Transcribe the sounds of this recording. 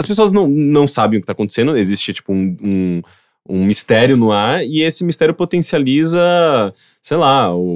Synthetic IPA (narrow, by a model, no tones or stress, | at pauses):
ɐspesoɐznɐ̃w̃nɐ̃w̃sabẽj̃ʊkɪt̪akõt̪e̥sẽnd̪ʊezist͡ʃɪt͡ʃi̥pʊũũ | ṵ̃mist̪ɛɾjʊnʊaɾɪesɪmist̪ɛɾjʊpot̪ẽsializɐ | sejlaʊ